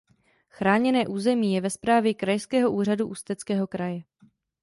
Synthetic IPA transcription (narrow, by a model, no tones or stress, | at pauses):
xɾaːɲɛnɛːʔuːzɛmiːjɛvɛspɾaːvjɛkɾajskɛːɦo̞ʔuːr̝aduʔust̪ɛt͡skɛːɦo̞kɾajɛ